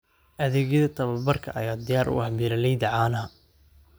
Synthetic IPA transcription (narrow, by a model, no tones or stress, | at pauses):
ʔɐðɛːɣjɐðɐt̪ʰɐβɐbɐrkʰɐ̰ʔɐ̰jaːd̪ɪjaːɾʔʊ̰ʔhbilɐlɛjd̪ɐʕaːnɐɦɐ